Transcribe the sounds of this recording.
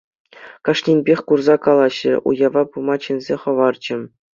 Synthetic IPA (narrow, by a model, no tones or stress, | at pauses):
kɑʂnʲenʲbʲexʲkurzɑkɑlˠɑɕːɘ̆ʔṵjɑʋɑpumɑt͡ɕĕnʲzʲeχɤ̆ʋɑrd͡ʑɘ̆